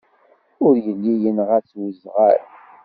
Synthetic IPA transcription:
ʊɾjəlːijənʁæt͡sːwizʁa̰ɾ

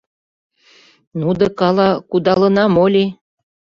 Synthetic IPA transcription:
nud̪ɤ̆kɑlɑkud̪ɑlɤ̆nɑmolʲi

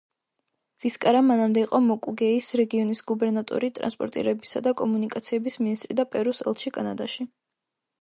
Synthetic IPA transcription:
viskʼaɾamanamd̪ɛiqʼɔmɔkʼuɡɛisɾɛɡiɔnisɡubɛɾnat̪ʼɔ̰ɾit̪ʼɾa̰nspʼɔ̰ɾt̪ʼḭɾɛbisa̰d̪akʼɔmunikʼat̪sʰiɛbisminist̪ʼɾid̪apʼɛɾusɛ̰lˠt̪ʃikʼanad̪aʃi

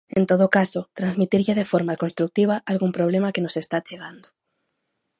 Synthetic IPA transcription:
ẽnt̪oðokasʊt̪ɾanzmit̪iɾʎɪðefoɾmakonst̪ɾuk̚t̪iβ̞aʔalɣumpɾoβ̞lemakenosest̪at͡ʃeɣand̪o

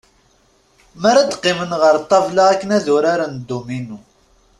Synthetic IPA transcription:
mæɾad̪qːɪmənʁəɾt̪ˤːɑvlaækːənæðʊɾaɾand̪ːuminu

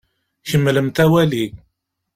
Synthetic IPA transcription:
çəmːləmt̪æwæli

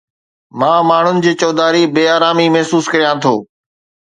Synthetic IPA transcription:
mãːmaːɳ̤ʊnɪ̆d͡ʑiːt͡ɕɔːd̪aːɾibeːaːɾaːmimɐɦsuːskəɾijãt̪ʰoː

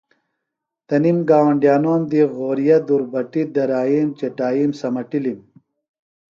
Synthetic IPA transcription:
t̪ɐnimɡaːwɐɳɖjaːnoːmd̪iɣoːɾijɐd̪uɾbɐʈid̪ɐɾaːiːmt͡ɕeʈaːjiːmsɐmɐʈilim

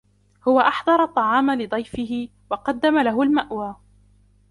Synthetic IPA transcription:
hʊwaʔɑħðˤɑɾˤɑt̪ˤːɑʕɑːmalɪd̪ˤɑjfɪɦɪ | wɑqɑd̪ːamalaɦʊlmaʔwaː

